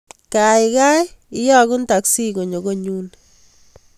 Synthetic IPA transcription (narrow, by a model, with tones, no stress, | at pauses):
ka˨jka˦ji˦jɔ˦kʊ˦nta˨ksi˦ko˨ɲo˨ɡo˦ɲu˦n